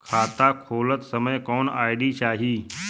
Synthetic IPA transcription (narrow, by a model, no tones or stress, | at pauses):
kʰaːt̪akʰoːlət̪səməjkɔːnaːɪɽit͡ʃaːɦiː